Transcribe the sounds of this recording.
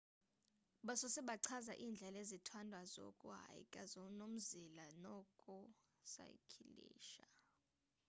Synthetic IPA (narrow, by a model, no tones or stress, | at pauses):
ɓasɔsɛɓaǀʰazaʔiːnd͡ɮʱɛlezitʰwandʱwazo̰kʼuɦa̰jḭkʼazonom̩zilanɔkʼu | sa̰jkʰilḭːʃa